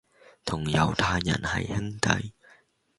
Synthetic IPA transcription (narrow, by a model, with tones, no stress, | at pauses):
t̪ʰʊ˨˩ŋjɐ˨˧wt̪ʰaː˧jːɐ̰˨˩nhɐ̰˨jhɪ˥ŋt̪ɐ̰˨˥j